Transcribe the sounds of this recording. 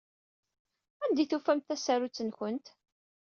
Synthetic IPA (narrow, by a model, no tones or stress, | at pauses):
ænd̪iθufæmt̪θæsæɾut͡sːənçənt̪